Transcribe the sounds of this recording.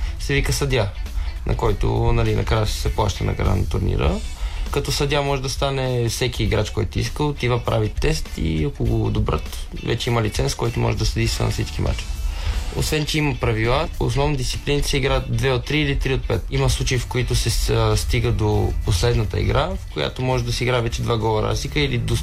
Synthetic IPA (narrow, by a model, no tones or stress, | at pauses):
sɛvikəsɐd̪ʲanʔɐ̰kɔjt̪o̰nɐlinɐ̰kɾajəssɛplˠaʃt̪ənɐ̰ɡɾa̰nɐ̰t̪ʊɾnḭɾə̰kɐt̪ɔsɐd̪ʲamɔʒɛd̪ɐst̪anɛfsɛkʲiːɡɾat͡ʃkɔjt̪ʊḭskəlˠot̪ivəpɾa̰vit̪ːɛst̪ḭɐkoɡod̪obɾə̰t̪vɛ̰t͡ʃɛimɐlit̪sɛnskɔjt̪omɔ̰ʒɛd̪ɐsɐd̪isvə̰nɐ̰fsit͡ʃkimʔa̰t͡ʃ | o̰svɛnt͡ʃɛiməpɾɐvilˠao̰snɔvnd̪ist̪si̥plinit̪sɛiɡɾad̪vɛot̪ːɾiːlit̪ɾiot̪̚pɛt̪imɐslˠut͡ʃəifkoit̪osɛst̪iɡəd̪oposlɛd̪nət̪ə̰ḭɡɾafkoja̰t̪omɔʒɛd̪ɐsɛiɡɾaɛvɛt͡ʃɛd̪vaɡɔvˠəɾa̰zlikəilid̪o